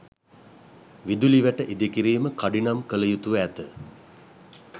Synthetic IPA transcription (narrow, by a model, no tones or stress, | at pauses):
ʋid̪uliʋæʈəʔid̪ekiɾiːməkaɖinamkələjut̪uʋæt̪ə